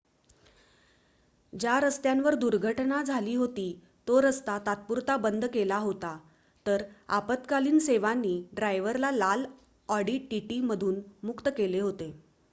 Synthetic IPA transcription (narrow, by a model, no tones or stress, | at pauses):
d͡ʑjaɾəst̪jãnʋəɾd̪uɾɡʱəʈnad͡zʱaliːɦot̪iː | t̪oɾəst̪at̪at̪̚puɾt̪abənd̪kelaɦot̪a | t̪əɾa̰pət̪kaliːnseʋanːiːɖɾajʋəɾlalal | ɔɽiːʈʈiʈiːməd̪ʱuːnmukt̪əkeleɦot̪e